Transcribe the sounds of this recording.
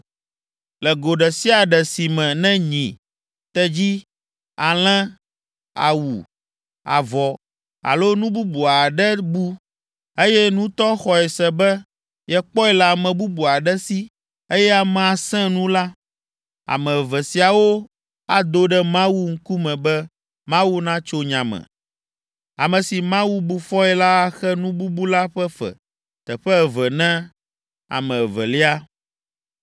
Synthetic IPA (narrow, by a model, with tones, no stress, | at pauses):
lɛ˨ɡo˨ɖɛ˨si˦a˨ɖɛ˨si˨mɛ̃˨nɛ̃˦ɲĩ˨ | t̪ɛ˦d͡ʑi˦ | a˨l̃ɛ̃˦ | a̰˨wṵ˨ | a̰˨vɔ˨ | a̰˨lo˦nũ˦bu˦bu˨a˨ɖɛ˦bu˦ | e˦jɛ˦nũ˦t̪ɔ˦xɔ˨ɛ˨sɛ˨bɛ˦ | jɛ˦k͡pɔ˦ɛ˦la˨mɛ̃˨bu˦bu˨a˨ɖɛ˦si˦ | e˦jɛ˦a˨mɛ̃˨a˨sɛ̃˦nũ˦la˦ | a̰˨mɛ̃˨vɛ˨si˨a˨wo˦ | a˦d̪o˦ɖɛ˦mã˦wu˦ŋ̩˦ku˦mɛ̃˨bɛ˦ | mã˦wu˦nã˦t͡ʃo˦ɲã˨mɛ̰̃˨ | a̰˨mɛ̃˨si˨mã˦wu˦bu˨fɔ˦ɛ˦la˦a˦xɛ˦nũ˦bu˦bu˦la˦ɸɛ˦fɛ̰˨ | t̪ɛ˨ɸɛ˦˨vɛ˨nɛ̃˦ | a̰˨mɛ̃˨vɛ̰˨li˦a˦